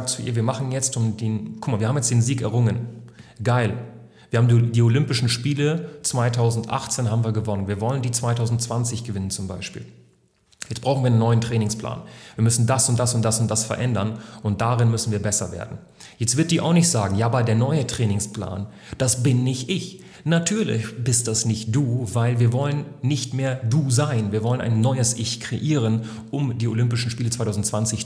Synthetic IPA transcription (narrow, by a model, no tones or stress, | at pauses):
ak̚t͡suʔḭːɐviːɐmaχn̩jɛt͡stʔʊmdiːnkʰʊ̥kmaːviɐhaːmjɛt͡sd̥eːnziːkɛɐʁʊŋənɡ̥aɪl | v̥iːɐhaːm̩did̥iːolʏmpɪʃn̩ʃpiːlət͡sv̥aɪtʰaʊzn̩tʔa̰χt͡seːnhaːbmviːɐɡəvɔnənviːɐvɔləndiːt͡sv̥aɪtʰaʊzn̩tt͡sv̥ant͡sɪçɡ̥əvɪnənt͡sʊmbaɪʃpḭːl | jɛt͡stb̥ʁaʊxn̩viːɐanənːɔʏəntʁ̥ɛːnɪŋspla̰ːnv̥iːɐmʏsn̩dasʊnt̚d̥asʊnt̚d̥asʊntd̥asfɛɐʔɛndɐnʔʊnt̚d̥aʁɪnmʏsn̩viːɐbɛsɐvḛːɐdn̩ | jɛt͡stv̥ɪɐt̚d̥iːɐʔa̰ʊxnɪçtz̥aːɡŋ̩jaːbɐdeːɐnɔʏətʁ̥ɛːnɪŋspla̰ːn | d̥asb̥ɪnːɪçtʔɪç | natʰyːɐlɪ̰çb̥ɪst̚d̥asnɪçt̚d̥uːvaɪlviːɐvɔlənːɪçtmeːɐduːzaɪnviːɐvɔlənʔa̰ɪnːɔʏəsʔɪçkʁ̥eʔiːʁən | ʔʊmdiːolʏmpɪʃn̩ʃpiːlət͡sv̥aɪtʰaʊzn̩tt͡sv̥ant͡sɪç